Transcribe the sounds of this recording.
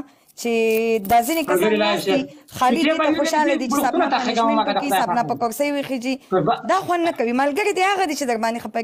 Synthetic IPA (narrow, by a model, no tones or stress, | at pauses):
t͡ʃed̪ɑzinekazixɑlid̪iaxoʃɑlad̪it͡ʃesabt̪aanepkisɑbnapəkʊɾsəjwexed͡ʒid̪ɑxwand̪nakawimalɡəɾid̪ihaɣad̪it͡ʃed̪əɾbɑnd̪exapaɾ